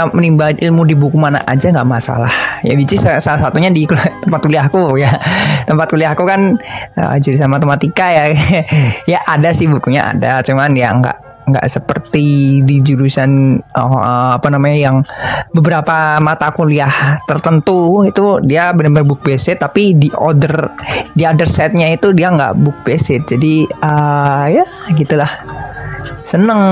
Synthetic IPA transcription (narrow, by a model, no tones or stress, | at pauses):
mənimbalʔilmudibukumana̰ʔa̰d͡ʒaŋɡaʔmasa̰lahja̰bit͡ʃɪssalasat̪uɲadikut̪əmpat̪̚kuliahkujat̪əmpat̪̚kuliahkukanə̰d͡ʒuɾus̬anmat̪emat̪ikaja | jaʔadasɪhbukuɲa̰ʔa̰dat͡ʃumandiaŋɡa̰ʔ | ŋɡa̰ʔsəpərt̪idid͡ʒuɾusanəapanamaɲajaŋbəbəɾapamat̪akuliaht̪ərt̪ənt̪uit̪udiabənəbərbuk̚besɪt̪ːapidiʔodərdiodərsɛt̪̚ɲait̪udiaŋɡa̰ʔbuk̚besɪt̪̚d͡ʒadiəja | ɡit̪ulah | sənəŋ